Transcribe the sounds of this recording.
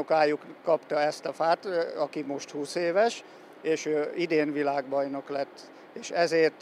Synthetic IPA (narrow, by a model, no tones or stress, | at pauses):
okaːjukːɒpt̪ɒɛst̪ɒfaːt̪ɒkimo̞ʃt̪huːseːvɛʃ | eːʃøːid̪eːnvilaːɡbɒjno̞klɛt̪ː | eːʃɛzeːrt̪